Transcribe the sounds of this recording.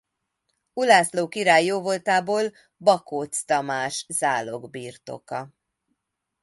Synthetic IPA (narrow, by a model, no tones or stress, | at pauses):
ulaːsloːkiɾaːjːoːvo̞lt̪aːboːl | bɒkoːt̪st̪ɒmaːʃz̥aːlo̞ɡbiːrt̪o̞̰kɒ